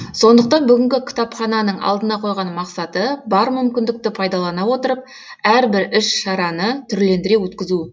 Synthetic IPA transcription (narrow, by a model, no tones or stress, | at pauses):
so̞nd̪əq̚t̪ɑnbʏɡʲɪŋkʲɪkʲʰɪ̥t̪ɑpχɑnɑnəɴʔɑ̰lˠd̪ənɑqʰo̞jʁɑnmɑqsɑt̪əbɑɾmʏmkʲɪnd̪ɪk̚t̪ɪpʰɑjd̪ɑlˠɑnɑwo̞t̪əɾəp̚ | æɾbɪɾʏʃʃɑɾɑnət̪ʰʏɾle̞nd̪ɪɾe̞wɵt̪kʲɪzu